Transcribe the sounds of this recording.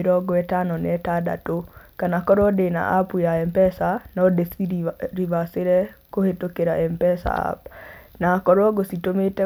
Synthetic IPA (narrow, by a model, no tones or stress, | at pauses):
eɾɔɡɔɛtanɔnɛtada̰tokanakɔɾɔdena̰ʔapujaɛmpɛsanɔdesiɾiβaseɾɛkohetokeɾaʔɛmpɛsa̰a̰pnakɔɾwɔɡositometɛ